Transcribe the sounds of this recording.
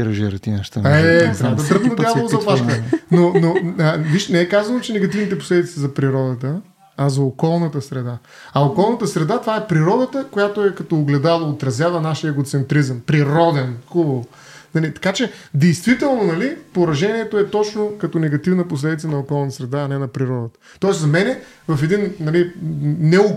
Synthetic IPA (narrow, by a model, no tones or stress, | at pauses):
ɾɐʒɛɾɐt̪inaʃt̪aɛt̪ːɾabd̪ɐd̪ɾəxnɐd̪javoozɐplˠaʃkɐɛnonoviʃnɛɛkazɐnot͡ʃɛnɛɡɐt̪ivnit̪ɛposlɛd̪it̪sɛzɐpɾiɾɔd̪ət̪ə | ɐzɐokɔlˠnət̪əsɾɛd̪a | ɐokɔlˠnɐt̪əsɾɛd̪at̪ovaɛpɾiɾɔd̪ət̪əkojat̪oɛkɐt̪ɔːɡlɛd̪alˠɐot̪ɾɐzʲjavɐnaʃiəɛɡot̪sɛnt̪ɾizəmpɾiɾɔd̪ɛnxub | nɐlit̪ɐ̥kat͡ʃɛd̪ɛjst̪vit̪ɛlˠnonɐlipoɾɐʒɛniɛt̪oɛt̪ɔt͡ʃnokɐt̪ɔnɛɡɐt̪ivnəposlɛd̪it̪sənɐokɔlˠnt̪əsɾɛd̪aːnɛnɐpɾiɾɔd̪ət̪ə̥t̪ɔɛszɐmɛnɛ | vɐfɛd̪innɐlinɛo